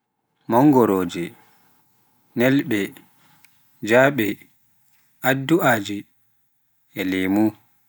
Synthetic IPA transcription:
mɔŋɡɔɾoːd͡ʒɛ | nɛlɓɛ | d͡ʒaːɓɛ | ʔadːuaːd͡ʒi | ʔɛlemu

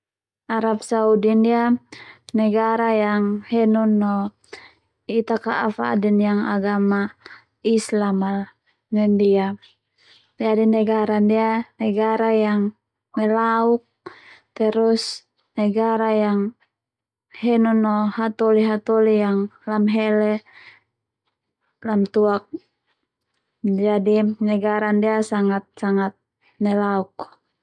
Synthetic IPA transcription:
aɾap̚saudindianɛɡaɾajaŋhɛnɔnːɔ | it̪akaʔːfa̰dɛnjaŋa̰ɡama | islamal | nɛndia | d͡ʒadinɛɡaɾandianɛɡaɾajaŋ | mɛlauk̚t̪ɛɾus | nɛɡaɾajaŋ | hɛnɔnɔhat̪ɔliɦat̪ɔlijaŋlamɦɛlɛ | lamt̪uak̚ | d͡ʒadinɛɡaɾandiasaŋat̪̚saŋat̪̚ | nɛlauk

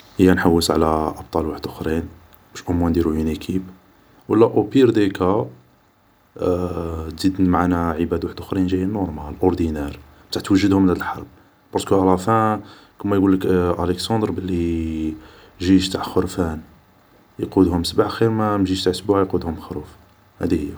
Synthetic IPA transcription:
həjːænħawːəsʕlæʔɑb̚t̪ˤɑlwaħəd̪ʔʊxɾin | b̥æʃʔʊmwænd̪iɾujunikʰib | wəlːæʔopiɾd̪eka | t̪zid̪mʕanæʕəbæd̪waħəd̪ʔʊxɾinʒæjːænʊɾˤmælʔoɾˤd̪inæɾˤ | t̪aʕt̪wəʒːəd̪hʊmːnæd̪əlħɑ̰ɾˤb̚ | b̥ɑɾˤd̪kuʔælˤɑfæ | kəmːæjɡulːəkʔæləksɑd̪ɾbəlːi | ʒiʃt̪aʕxʊɾfæn | jqud̪hʊmsbaʕxiɾmæmʒiʃt̪aʕəsbuʕjqud̪hʊmxɾuf | hæd̪ihəjːæ

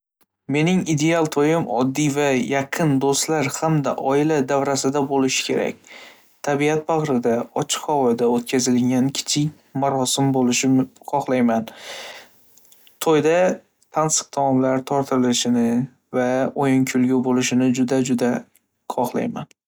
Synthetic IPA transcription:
me̞nɪŋid̪e̞alˠt̪ʰojɪmɒ̰d̪ːivajaqʰɨnd̪ost̪laɾhamd̪a̰ʔɒɪlad̪avɾasɪd̪abolɪʃɪ̥kʲʰe̞ɾa̰kʲ | t̪ʰabiat̪̚baʁɾɪd̪aɒt͡ʃʰɪ̥qhɒwɒjd̪aot̪̚kʲʰazɪlɪŋɡʲankʲʰɪ̥t͡ʃʰɪkʲ | maɾɒsɪmbolɪʃɪqʰɒχlˠajman | t̪ʰojd̪a | t̪ʰansɨ̥q̚t̪ʰɒmɒmlaɾt̪ʰɒɾt̪ʰɪɾɪlɪʃɪnɪ | vaojɪŋkʲʰʊlɡʲʊbolɪʃɪnɪd͡ʒʊd̪ad͡ʒʊd̪a | qʰɒχlˠa̰jman

